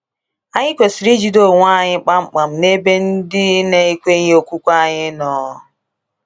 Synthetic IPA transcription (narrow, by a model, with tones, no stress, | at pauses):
a˦ɲɪ˦kʷe˨si˨ɾi˦d͡ʒi˨do˦˨ŋʷ˦a˦˨ɲɪ˦k͡pa˦ŋ͡m̩˨k͡pa˨m̩˨ne˦be˦n̩˦dɪ˦ne˦i˦kʷe˦ɲ˦o˨kʷu˦kʷa˦ɲɪ˦nɔ˨˦